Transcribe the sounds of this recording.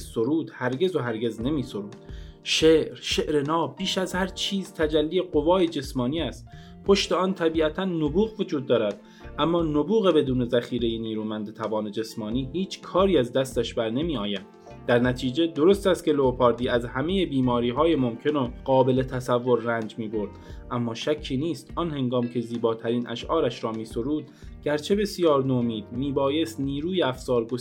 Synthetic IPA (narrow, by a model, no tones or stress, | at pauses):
soɾuːd̪̥hæɾɟe̞zoɦæɾɡe̞zne̞miːsoɾuːd̪̥ʃeɾʃeʔɾe̞nɒːbiːʃæzhæɾt͡ʃʰiːzt̪ʰæd͡ʒælːijeɢo̞vɒːjed͡ʒe̞smɒːniːæst̪ | pʰo̞ʃt̪e̞ɒːnt̪ʰæbiːæt̪ʰænːobuːɣvod͡ʒuːd̪̚ːɒːɾæd̪̥ | ʔæmːɒːnobuːɣe̞be̞d̪uːne̞zæxiːɾejeniːɾuːmænd̪et̪ʰæbɒːne̞d͡ʒe̞smɒːniːɦiːt͡ʃʰkʰɒːɾiːæzd̪æst̪æʃbæɾne̞miːɒːjæn̥ | d̪æɾnæt̪ʰiːd͡ʒe̞d̪o̞ɾo̞st̪æst̪̚cʰe̞loːpʰɒːɾd̪iːæzhæme̞jebiːmɒːɾiːɦɒːjemo̞mcʰe̞noɢɒːbe̞le̞t̪ʰæsævːo̞ɾːæːnd͡ʒmiːbo̞ɾd̪̥ʔæmːɒːʃæcʰːiːniːst̪ʔɒnhe̞ŋɡɒːmcʰeziːbɒːt̪ʰæɾiːnʔæ̰ʃʔɒːɾæʃɾɒːmiːso̞ɾuːd̪̚ | ɟ̥æɾt͡ʃʰe̞be̞sjɒːɾnoːmiːd̪̥miːbɒːje̞st̪niːɾuːjeæfzɒːɾɡo